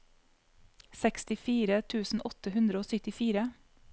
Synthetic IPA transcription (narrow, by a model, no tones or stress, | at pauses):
sɛkst̪ɪfiːɾət̪ʰʉːsn̩ʔɔt̪əhʉnd̪ɾəoːsœt̪ɪfiːɾə